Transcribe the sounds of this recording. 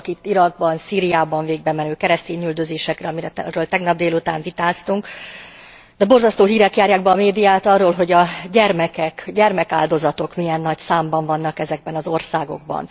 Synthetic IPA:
kit̪ːiɾɒɡ̚bɒnsiːɾijaːbɒɱveːɡ̚bɛmɛnøːkɛɾɛst̪eːɲyld̪ø̞zeːʃɛkrɛɒmiɾɛrøːlt̪ɛɡnɒb̚d̪eːlut̪a̰ːɱvit̪aːst̪uŋk | d̪ɛbo̞rzɒst̪oːɦiːɾɛkjaːɾjaːɡbɛːmeːd̪ijaːt̪ɒrːoːlɦo̞ɟɒɟɛrmɛkɛkɟɛrmɛkaːld̪o̞zɒt̪o̞kmijɛnːɒcsaːmbɒɱvɒnːɒkɛzɛɡ̚bɛnɒzo̞rsaːɡo̞̰ɡ̚bɒ̰n

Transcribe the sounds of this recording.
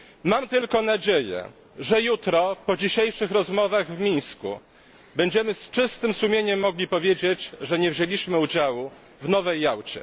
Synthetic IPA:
mamt̪ɘlkɔnad͡ʑejɛ̰ | ʐɛjut̪ɾɔpɔd͡ʑiɕejʂɘxɾɔzmɔvaɣvmʲij̃skṵ | bɛɲd͡ʑɛmɘst͡ʂɘst̪ɘmsumʲeɲɛmːɔɡlʲipɔvʲjed͡ʑet͡ɕʐɛɲɛvʑelʲiɕmɘud͡ʑawu | vnɔvɛjːawt͡ɕɛ̰

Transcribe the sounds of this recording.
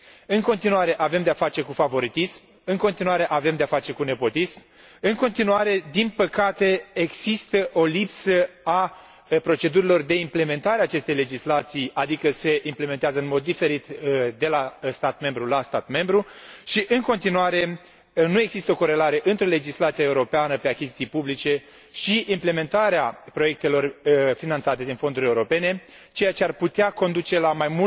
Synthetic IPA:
ɨŋko̞nt̪inuaɾe̞ʔave̞md̪eafat͡ʃe̞kufavo̞ɾit̪ism | ɨŋko̞nt̪inuaɾe̞ʔave̞md̪eafat͡ʃe̞kune̞po̞t̪ism | ɨŋko̞nt̪inuaɾe̞d̪inpəkat̪e̞eɡsist̪əʔo̞lipsəa | pɾo̞t͡ʃe̞d̪uɾilo̞rd̪e̞imple̞me̞nt̪aɾeaːt͡ʃe̞st̪ejle̞d͡ʒislat̪sijad̪ikəse̞imple̞me̞nt̪eazəɨnmo̞d̪ːife̞ɾit̪d̪e̞last̪at̪me̞mbɾulast̪at̪me̞mbɾuʃiʔɨŋko̞nt̪inuaɾe̞ | nue̞ɡzist̪əo̞ko̞ɾe̞laɾe̞ʔɨnt̪ɾe̞le̞d͡ʒislat̪sijae̞uɾo̞peanəpe̞akʲizit̪ijpublit͡ʃe̞ | ʃiʔimple̞me̞nt̪aɾeapɾo̞je̞k̚t̪e̞lo̞rfinant̪sat̪e̞d̪info̞nd̪uɾʲe̞uɾo̞pe̞ne̞ | t͡ʃe̞jat͡ʃearput̪eako̞nd̪ut͡ʃe̞lamajmu

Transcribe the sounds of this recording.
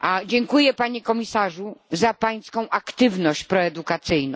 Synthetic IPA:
ad͡ʑɛŋkujɛpaɲɛkɔmʲisaʐuzapaj̃skɔ̃w̃ʔakt̪ɘvnɔɕt͡ɕpɾɔɛd̪ukat̪sɘjnɔ̃

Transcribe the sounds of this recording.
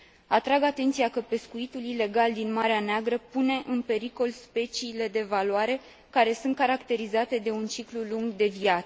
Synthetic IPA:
at̪ɾaɡat̪e̞nt̪siakəpe̞skuit̪ulile̞ɡald̪inmaɾeaneaɡɾəpune̞ʔɨnpe̞ɾiko̞lspe̞t͡ʃiːle̞d̪e̞valuaɾe̞ | kaɾe̞sunt̪̚kaɾakt̪e̞ɾizat̪e̞d̪e̞unt͡ʃikluluŋɡd̪e̞viat̪sə̥

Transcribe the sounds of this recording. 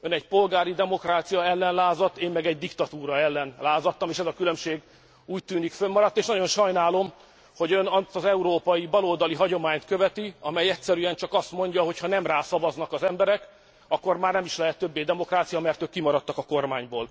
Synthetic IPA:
ønɛcpo̞lɡaːɾid̪ɛmo̞kraːt̪sijɒɛlːɛnlaːzɒt̪ːeːmːɛɡɛɟd̪ikt̪ɒt̪uːɾɒɛlːɛnlaːzɒt̪ːɒmeːʃɛzɒkylømʃeːɡ | uːc̚t̪yːnikfømmɒɾɒt̪ːeːʃnɒɟo̞nʃɒjnaːlo̞m | ho̞ɟønɒt̪ɒzɛuɾoːpɒjibɒloːd̪ɒliɦɒɟo̞maːɲt̪køvɛt̪iɒmɛjɛcsɛɾyɛnt͡ʃɒkɒst̪mo̞ɲɟɒɦo̞chɒnɛmraːsɒvɒznɒkɒzɛmbɛɾɛk | ɒkːo̞rmaːrnɛmiʃlɛɦɛt̪ːø̞bːeːd̪ɛmo̞kraːt̪sijɒmɛrt̪øːkːimɒɾɒt̪ːɒkɒko̞rmaːɲboːl

